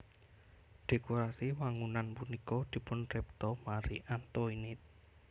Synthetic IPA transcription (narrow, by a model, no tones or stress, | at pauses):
ɖ̪̥e̤koɾasiwaŋunanpunikɔd̪̥i̤pʊnrɛp̚t̪ɔmaɾiʔant̪oinɪt̪̚